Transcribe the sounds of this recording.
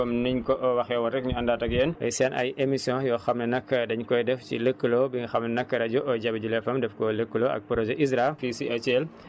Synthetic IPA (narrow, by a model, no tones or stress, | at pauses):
ɐmniɲkɔʔɔwɐxɛwɐɾɛkɲuɐndaːtɐɡeːnʔɐ̰jsɛnʔɐ̰jemisjɔ̃jɔxɐmnɐnɐkːɐdɐɲkɔjdɛfcḭləkːəlobiŋɐxɐmnɐnɐkːɐɾɐd͡ʒuʔɔjd͡ʒɐbɐd͡ʒulɛfɐmdɛfkɔləkːəloɐ̰k̚pɾozeʔizɾafisiʔɐt͡ʃel